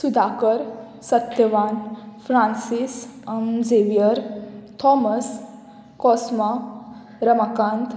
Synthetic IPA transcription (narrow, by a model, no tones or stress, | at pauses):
sud̪ʱaːkəɾ | sət̪jəʋaːnfɾãːnsisɐmzeʋijəɾt̪ʰɔməs | kɔsma | ɾəmakãːnt̪ʰ